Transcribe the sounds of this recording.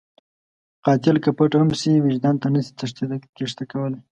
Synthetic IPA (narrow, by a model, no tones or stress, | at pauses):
qɑt̪ɪlkapəʈamsiwɪd͡ʒd̪ɑnt̪anəsi̥t̪aʂt̪ed̪keʂt̪akawəla